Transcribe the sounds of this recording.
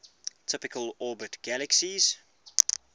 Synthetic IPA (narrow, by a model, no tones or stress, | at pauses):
tʰɪpɪkʰəlɔːbətɡ̥æləksiz̥